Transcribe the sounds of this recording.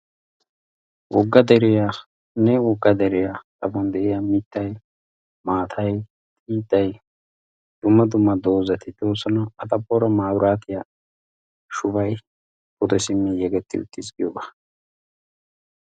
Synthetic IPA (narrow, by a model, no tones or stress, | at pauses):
wʔɔɡːɐd̪ɛɾɪja | nɛwɔɡːɐd̪ɛɾɪjat̪ʼɐbɔnd̪ɛʔɛjamɪt̪ːɐj | maːt̪ʰɐj | t̪ʼiːt̪ːɐj | d̪̥ʊmːɐd̪ʊmːɐd̪o̞ːzɐt̪ɪd̪o̞ːsːɔnɐɐt̪ʼɐpːɔɾɐmaːwɾaːt̪ɪja | ʃʊbɐj | pʊd̪ɔsɪmːɪjɛɡɛt̪ːɪ̰ʊ̰t̪ːɪzɡɪjobḁ